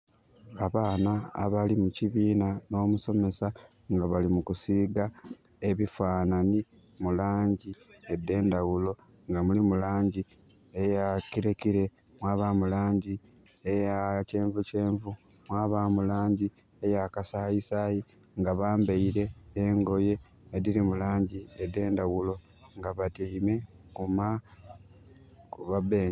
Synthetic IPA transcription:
aβaːna̰ːβalimuciβiːnano̞ːmuso̞me̞sa | ŋɡaβalimukusiːɡa | e̞βifaːnani | mulaːɲɟiedːe̞ːndawulo̞ | ŋɡamulimulaːɲɟi | ejakiɾekiɾe̞ | mwaːβamulaːɲɟi | ejace̞ːɱvuce̞ːɱvu | mwaːβamulaːɲɟi | ejakasajisaji | ŋɡaβaːmbeiɾe̞ːŋɡo̞je̞ː | dilimulaːɲɟiede̞ːndawulo̞ | ŋɡaβatiːme̞kuma | kuβabeː

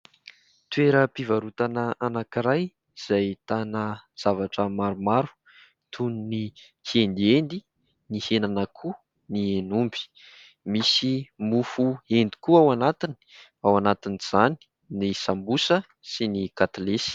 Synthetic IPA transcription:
t̪weɾəpivaɾut̪anəanakiɾaj | z̥ajt̪anəz̥avaʈ͡ʂəmaɾumaɾu̥ | t̪ʰunni | kʰend̪iend̪i | nihenanəkʰu | nienumbi̥ | misimufuend̪i̥kuawanat̪ini̥ | awanat̪iniz̥ani̥ | nisambusə | sinikat̪alesi̥

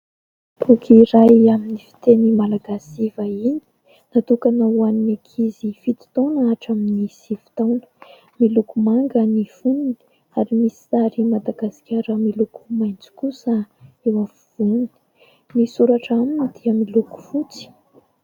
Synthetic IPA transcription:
bukʰiɾajaminifi̥t̪enimalaɡasivaini̥ | nat̪ukanawaninekʰizifit̪i̥t̪onaʈ͡ʂaminisiv̥i̥t̪awnə̥ | milukumaŋɡəniv̥unini̥ | aɾimisi̥aɾimad̪aɡaskʲaɾəmiluku̥majnt͡si̥kusəewavuv̥uni̥ | nisuɾaʈ͡ʂaminid̪̥iəmiluku̥fut͡si̥

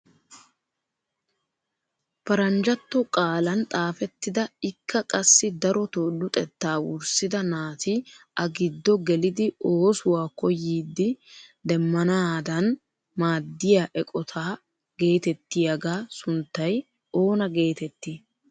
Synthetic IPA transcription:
pɐɾɐnd͡ʒɐt̪ːɔkʼaːlɐnt̪ʼaːfɛt̪ːɪd̪ɐɪkʰːɐkʼɐsːɪd̪ɐɾɔt̪oːdʊt̪ʼɛt̪ːaːwʊ̰ɾsɪd̪ɐnaːt̪ɪʔɐɡɪd̪ːɔɡɛlɪd̪ɪoːsʊwaːkɔjːiːd̪ːɪd̪ɛmːɐnaːd̪ɐn | maːd̪ːɪjaːʔɛkʼɔt̪ʰaː | ɡe̞ːt̪ɛt̪ːɪjɐɡaːsʊnt̪ːɐj | o̞ːnɐɡe̞ːt̪ɛt̪ːi

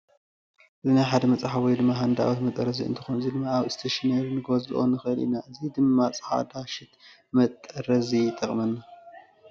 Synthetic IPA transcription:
ʔɨzinajħad̪ɐmɐt͡sʼaħaβɔjd̪ɨmːaɦand̪a̰wot̪mɐt̪ʼɐɾɐziɨ̰nt̪ʰɨ̥xonɨzid̪ɨmːaaβɨst̪ʰeʃnɐɾnɨɡozɨʔo̰nɨxɨʔɨlḭnaʔɨzid̪ɨmːat͡sʼɨ̥ħa̰d̪aʃɪt̪ | mɐt̪ʼːɐɾɐzijt̪ʰʼɐχʼmɐnːa

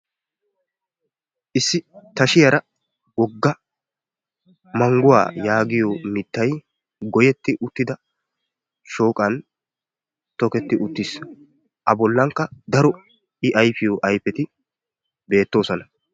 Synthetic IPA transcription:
ʔɪsːɪt̪ɐʃɪjɐɾɐ | wɔɡːɐ | mɐŋɡʊwa̰ːjaːɡɪjɔmɪt̪ːɐj | ɡɔjɛt̪ːɪʔʊt̪ːɪd̪ɐ | ʃo̞ːkʼɐn | t̪ɔkɛt̪ːɪʔʊt̪ːɪs | ʔɐbɔlːɐŋkːɐd̪ɐɾɔ | ɪʔɐjfɪjɔʔɐjpɛt̪ɪ | be̞ːt̪ːo̞ːsɔnɐ

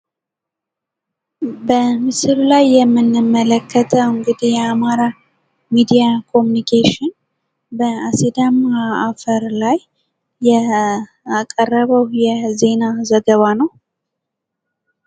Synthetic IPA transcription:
bəmɨsɨɾlajːɛmːɨnːɨmːələkʰːət̪ʰəwɨŋɡɨd̪ihjɛamaɾa | mid̪ijakʰo̞munikʰeʃɪn | bəasid̪amaafəɾlajː | ɛ | akʼərːəβəwjɛze̞nazəɡəβanəw

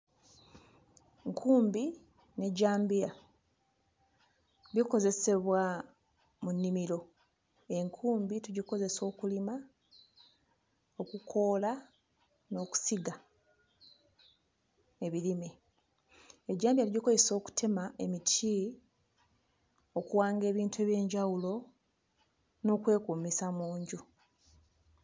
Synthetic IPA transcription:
ŋkʰuːmbi | ne̞ɟaːmbija | βiko̞ze̞se̞βwa | munːimiɾo̞ | e̞ŋkʰuːmbituɟiko̞ze̞so̞ːkulima | o̞kukʰo̞ːla | no̞ːku̥siɡa | e̞βilime | eɟːaːmbiaɾuɟiko̞ze̞so̞ːku̥tʰe̞maʔe̞mitʰi | o̞kuwaːŋɡe̞ːβiːntue̞ːβje̞ːɲɟawulo̞ | no̞ːkwe̞ːkuːmisamuːɲɟu

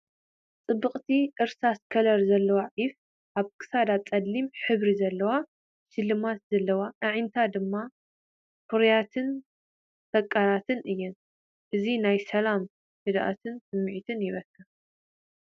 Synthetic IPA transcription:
t͡sʼɨbːɨχʼt̪ʰiʔɨɾsaskʰɐlɐɾzɐlːɐwaʕif | ʔaβkʰɨ̥sad̪at͡sʼɐd̪limħɨβɾizɐlːɐwa | ʃɨlːɨmat̪zɐlːɐwaʔɨʕint̪ʰad̪ɨmːa | kuɾjat̪ʰɨn | t̪ʰɐkʼːalat̪ʰɨnʔɨjːɨn | ʔɨzinajsɐlam | fɨd̪ʔa̰t̪ʰɨnsɨmːɨʕit̪ʰɨnjɪβɐkʰːɨ

